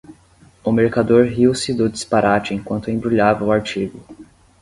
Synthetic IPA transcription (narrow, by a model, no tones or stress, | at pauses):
ʊmeɾkad̪oɾɦiwsɪd̪ʊd͡ʒispaɾʔat͡ʃɪẽkwɐ̃nt̪ʊẽbɾuʎavɐʊaɾt͡ʃiɡʊ